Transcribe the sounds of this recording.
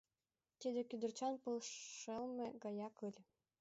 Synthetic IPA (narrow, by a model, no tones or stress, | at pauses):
t̪ʲed̪ʲĕkʲyd̪ɘ̆rt͡ɕɑnpɤlˠʃɤlˠmʲɘ̆ɡɑjɑkɯlʲ